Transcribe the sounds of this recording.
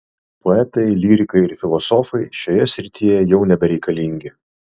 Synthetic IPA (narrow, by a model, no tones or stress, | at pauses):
poɛt̪ɐɪlʲiːɾʲɪkɐɪɪɾfʲɪlˠɔsɔfɐɪʃʲoːjɛsʲɾʲɪt̪ʲijɛjɛʊnʲɛbʲɛɾʲɛɪkɐlʲiˑŋʲɡʲɪ